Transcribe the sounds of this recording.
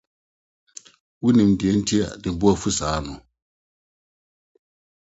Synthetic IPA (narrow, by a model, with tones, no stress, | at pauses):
wi˦nĩ˨mdi˨ɛ˦n̩˦ti˦a̰˨di˨bu˦a˨fu˦saː˨˦nɔ˨